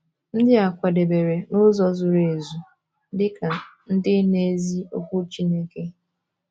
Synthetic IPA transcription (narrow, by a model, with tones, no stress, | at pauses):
n̩˦dɪ˦a˨kʷa˨de˨be˨ɾe˨nʊ˦zɔ˦zʊ˨ɾe˨zu˨ | dɪ˦ka˨n̩˦dɪ˦ne˦zi˦o˦kʷʊ˦t͡ʃi˦ne˦ke˦